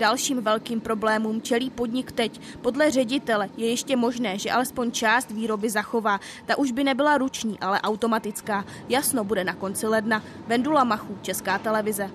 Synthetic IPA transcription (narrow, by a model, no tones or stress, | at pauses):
dalʃiːmvɛlkiːmpɾo̞blɛːmumt͡ʃɛliːpo̞dɲɪkt̪ɛc | po̞dlɛr̝ɛɟɪt̪ɛlɛjɛjɛʃcɛmo̞ʒnɛːʒɛʔalɛspo̞ɲt͡ʃaːst̪viːɾo̞bɪzaxo̞vaː | t̪aʔuʒbɪnɛbɪlaɾut͡ʃɲiːʔalɛʔawt̪o̞mat̪ɪt͡skaː | jasno̞budɛnako̞nt͡sɪlɛdna | vɛndulamaxuːt͡ʃɛskaːt̪ɛlɛvɪzɛ